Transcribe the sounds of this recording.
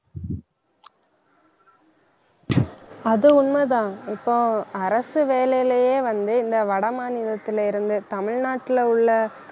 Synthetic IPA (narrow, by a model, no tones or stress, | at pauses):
ɐðɯʊɳmɐðãːɪpːoːɐɾɐsɯʋeːlɐjlɐjeːʋɐnd̪ɯɪnd̪ɐʋɐɽɐmaːnɪðɐt̪ːɪlɪɾɯnd̪ɯt̪ɐmɪɻnaːʈːɪlɐʊɭːɐ